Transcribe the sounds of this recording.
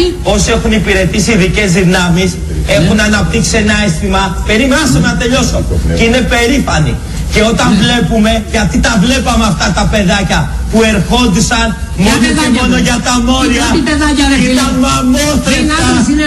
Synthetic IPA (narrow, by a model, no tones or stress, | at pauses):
o̞sie̞xunipiɾe̞t̪isiðice̞zðinɐmis | e̞xunɐnɐp̚t̪iksienɐest̪imɐpe̞ɾimɐsɐmenɐt̪e̞ʎo̞socine̞pe̞ɾifɐnḭ | ce̞o̞t̪ɐɱvle̞pume̞ʝɐt̪it̪ɐvle̞pɐmeɐft̪ɐt̪ɐpe̞ðɐcɐ | pue̞ɾxo̞nd̪isɐn | mo̞noemo̞no̞ʝɐt̪ɐmo̞ɾiɐ | it̪ɐnmɐmoθɾit̪ɐ